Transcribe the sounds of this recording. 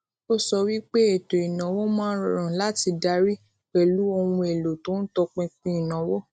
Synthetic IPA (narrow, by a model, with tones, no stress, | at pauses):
o˦˨sɔ˧wi˦k͡pe˦e˨to˨i˨nã˨˦wɔ˦mãː˦ɾɾã˨la˨˦ti˧da˧ɾi˦ | k͡pɛ˦lu˨˦o˧wũ˧e˨lo˨to˦n̩˦tɔ˧k͡pɛ̃˧k͡pĩ˧˦i˨nã˨˦wɔ˦